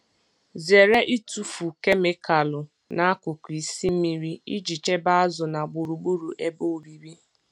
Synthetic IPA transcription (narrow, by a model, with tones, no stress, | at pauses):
ze˨ɾe˦ʔi˦tu˦fu˨ke˦me˦˨ka˨lʊ˨ | na˦a˦kʊ˨kʷi˨si˦m̩˦mi˦ɾi˦i˦d͡ʒi˨t͡ʃe˦ba˦a˦zʊ˨na˨ɡ͡bu˨ɾu˨ɡ͡bu˦ɾu˨ʔe˦bo˦o˨ɾi˨ɾi˦